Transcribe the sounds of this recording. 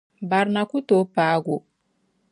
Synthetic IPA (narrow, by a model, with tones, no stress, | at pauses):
ba˨ɾna˨ku˦to˨˦pa˦ɡo˨